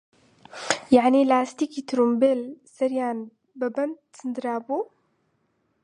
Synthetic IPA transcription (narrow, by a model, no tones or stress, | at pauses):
jaʕnilaːst̪ikit̪ɾumbelsɐɾjaːn | bɐbɐnd̪ | sɨnd̪ɨɾaːbo